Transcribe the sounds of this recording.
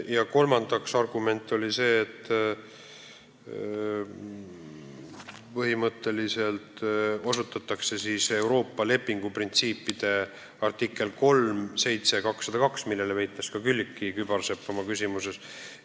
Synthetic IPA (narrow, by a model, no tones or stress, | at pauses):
jɑko̞lmɑnd̪ɑksɑrɡ̥ume̞nt̪ːˑo̞lise̞ːt̪ːˑ | pɤɦimɤt̪ːˑe̞lise̞lt̪o̞sut̪ːˑɑt̪ːˑɑkse̞siːse̞uwɾo̞ːpːɑle̞pːiŋɡ̥uprint̪siːpːid̪̥e̞ | ɑrt̪ikːˑe̞lko̞lmse̞jt̪se̞kɑksːɑd̪̥ɑkɑksmilːe̞levejt̪ːˑeskɑkylʲːikˑːikyb̥ɑrsepːɑmɑkysʲimuse̞s